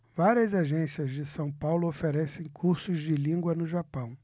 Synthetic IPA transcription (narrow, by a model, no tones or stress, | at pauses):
vaɾiɐzaʒẽsiɐzd͡ʒɪsɐ̃w̃pawlʊofeɾɛsẽj̃kʰuɾsʊzd͡ʒɪlĩŋɡwɐnʊʒapɐ̃w̃